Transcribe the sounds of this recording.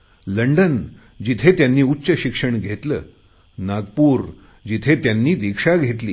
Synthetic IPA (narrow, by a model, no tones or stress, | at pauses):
ləɳɖən | d͡ʑit̪ʰet̪janːiːutːɕəɕikʂəɳɡʱet̪ləː | naɡpuːɾ | d͡ʑit̪ʰet̪janːiːd̪ikʂaɡʱet̪liː